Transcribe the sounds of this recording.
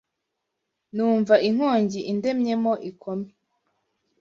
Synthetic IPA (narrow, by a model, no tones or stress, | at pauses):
nuːɱvaʔiŋ̥oːɲɟiʔinde̞mɲe̞moʔikʰome